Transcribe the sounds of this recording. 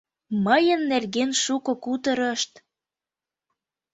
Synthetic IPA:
məjə̆nːerɣenʃukŏkut̪əɾəʃt̪

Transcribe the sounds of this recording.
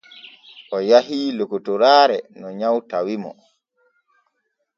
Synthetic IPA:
ʔɔjahiːlokutuɾaːɾɛnɔɲawtawimɔ̰

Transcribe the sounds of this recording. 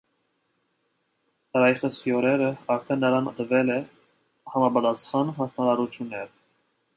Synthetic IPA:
əɾɑjiχəskiɔɾɛɾəɑɾt̪ʰɛnːəɾɑnt̪əvɛlɛ | hɑmɑpɑt̪ɑsχɑnɦɑsnɑɾɑɾut͡s̪ʰjunːɛɾ

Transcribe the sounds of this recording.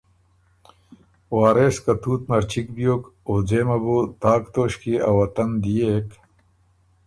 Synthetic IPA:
waːɾeːskɐt̪uːt̪mɐɾt͡ɕʰikbijoːkod͡zeːmɐbut̪aːkt̪oːɕkiɐwɐt̪ɐnd̪ijek

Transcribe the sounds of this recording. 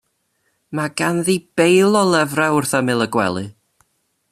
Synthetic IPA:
maɡanðib̥ejlˠɔlˠɛvraʊrθamɪlˠəɡwɛ̰lˠɨ̰

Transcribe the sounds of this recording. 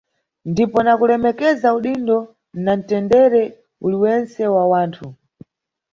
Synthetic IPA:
ndipɔnakulɛmɛkɛzauɗindɔ | nan̩tɛndɛɾɛ | uliwɛnt͡sɛwawaːntʰu

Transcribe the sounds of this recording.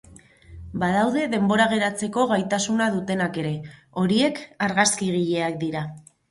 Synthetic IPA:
bað̞awðe̞ðe̞mbo̞ɾaɣ̞e̞ɾat͡se̞ko̞ɣajt̪asunaðut̪e̞nake̞ɾe̞ | o̞ɾie̞kaɾɣaskiɣiʎe̞ak̚d̪iɾa

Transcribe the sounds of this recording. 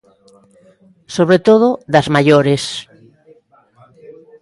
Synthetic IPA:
soβɾet̪oð̞ʊðazmaʎoɾes

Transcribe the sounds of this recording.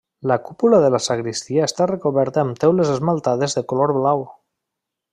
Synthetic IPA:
lakupulaðəlasaɣɾist̪iaest̪arekoβɛɾt̪aːmt̪ɛwlezezmalˠt̪aðezðekoloɾβlaw

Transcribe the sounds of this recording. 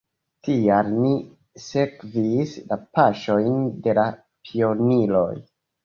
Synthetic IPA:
tialni | se̞kvislapaʃo̞jnde̞la | pʰio̞nilo̞̰j

